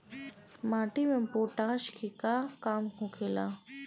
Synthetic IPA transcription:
maːʈimẽpoːʈaːʃkʰikaːkaːmkõkʰeːla̰ː

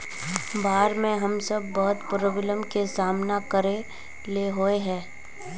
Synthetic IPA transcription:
baːɾmẽɦɐmsəb̚ːɔːt̪pʊɾobɪləmkesaːmnakəɾe | leɦoeɦɛ̃ː

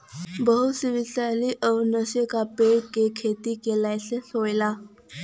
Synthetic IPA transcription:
bəɦusiʋisaliːʔəwnəɕekapeɽkekʰet̪iːkelajt͡sesojla

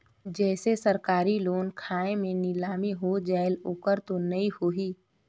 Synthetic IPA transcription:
d͡ʒɛːsesəɾkaːɾiloːnkʰaːẽmẽnɪlaːmiɦod͡ʒɛːɪloːkəɾt̪onɐĩhoɦiː

